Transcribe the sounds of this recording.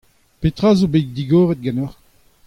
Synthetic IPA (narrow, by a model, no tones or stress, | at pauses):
pet̪ʁaːzobet̚d̪iɡoːʁɛt̪̚ɡanɔʁ